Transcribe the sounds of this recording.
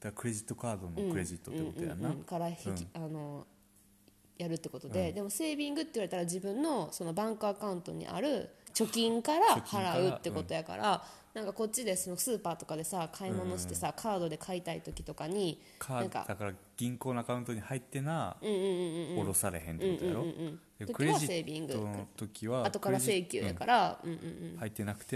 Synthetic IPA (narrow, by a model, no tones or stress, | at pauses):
d̪̥akakɯ̟ɾe̞ʑit̪ːo̞kaːd̪o̞noɯ̟̃kɯɾeʑit̪ːotɯẽkotɯj̃a̰nãkaɾaçiano̞ | jaɾɯ̟t̪ːe̞ko̞t̪o̞d̪e̞d̪e̞mo̞se̞ːbʲĩŋɡɯ̟t̪ːe̞iβaɾe̞t̪aɾad͡ʑibɯ̟̃nːo̞so̞no̞bãŋkɯakaɯ̟̃nt̪o̞̰ɲ̟ḭʔa̰ɾɯ̟t͡ɕo̞kʲĩŋkaɾahaɾaɯ̟t̪ːe̞ko̞t̪o̞jaka̰ɾʔa | nãŋkako̞t̚t͡ɕːid̪e̞so̞no̞sɨːpaːt̪o̞kad̪e̞sakʰaimo̞no̞ɕi̥t̪e̞sakʰaːd̪o̞d̪e̞kʰait̪ait̪o̞kʲi̥t̪o̞kaɲ̟i | k̪ʰːãka̰d̪akaɾa | ɡ̥ʲĩŋko̞ːnoakaɯ̟nt̪oɲ̟ihait̪ːe̞naɯ̟̃ːɯ̃ɯ̃ːɯ̃ɴoɾosaɾe̞̰hẽnɯ̃ɴɯ̃jõːɯ̃d̪et̪okkiieaiseːbʲĩŋɡɯt̪okʲiβaat̪o̞kaɾase̞ːkʲɨ̰ːja̰kaɾaɯ̟̃ɴɯ̟̃ɴːhait̪ːenakɯ̟̥t̪e